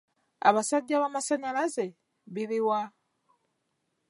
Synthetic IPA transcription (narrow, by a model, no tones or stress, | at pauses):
a̰βasaɟːaβamasaɲalaze̞ | βiβiwa